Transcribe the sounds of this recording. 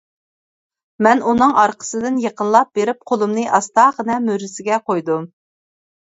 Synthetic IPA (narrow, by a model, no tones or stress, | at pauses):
mɛnunɨŋɑɾqʰə̥sɨd̪ɪnjeqʰənlˠɑp̚beɾɪp̚qʰolˠumnɨʔɑst̪ɑʁənɛmøɾɪsɪɡʲɛqʰojd̪u